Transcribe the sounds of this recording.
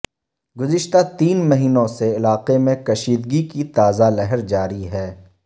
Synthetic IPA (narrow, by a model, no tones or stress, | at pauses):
ɡʊzɪʃt̪at̪iːnmɐɦiːnõseɪlaːqemẽkɐʃiːd̪ɡikit̪aːzalɛɦəɾd͡ʒaːɾiɦɛː